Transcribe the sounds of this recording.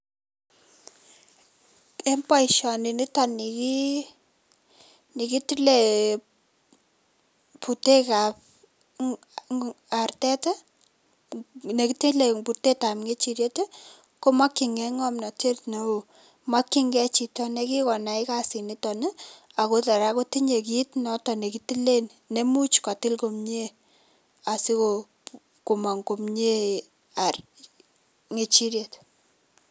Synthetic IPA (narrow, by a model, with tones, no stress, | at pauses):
e˦mpa˦i˨ʃɔ˨ni˨ni˦tɔ˨ni˨ki˦ | ni˨ki˦ti˦le˨ | pu˨te˦ka˨p̚ | a˨rtɛ˦tɛ˦ | ne˨ki˦ti˦le˨pu˨te˦ta˨mŋe˦t͡ʃi˨ɾje˦te˦ | ko˦ma˦kːi˨ŋɛ˦ŋɔ˦mna˨te˦tne˨o˨ | ma˦kːi˦ŋɡɛ˦t͡ʃi˨tɔ˦ne˦ki˦kɔ˨na˨i˦ka˦si˨ni˦tɔ˨ne˦ | a˨ko˦ta˨ɾa˦ko˦ti˦ɲe˨ki˦tnɔ˦tɔ˨ne˨ki˨ti˦le˦nːe˦mu˦t͡ʃka˨ti˦lko˨mɲe˦ | a˨si˦ko˨ | ko˨ma˨ŋko˨mɲe˦ | a˨r | ŋe˨t͡ʃi˦ɾje˨t